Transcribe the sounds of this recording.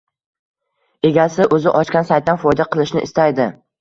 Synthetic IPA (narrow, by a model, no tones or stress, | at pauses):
e̞ɡʲasɪʔɵzɪʔɒt͡ʃkʲansajt̪ːanfɒjd̪aqʰɨlˠɪʃnɪ̰ʔɪst̪ajd̪ɪ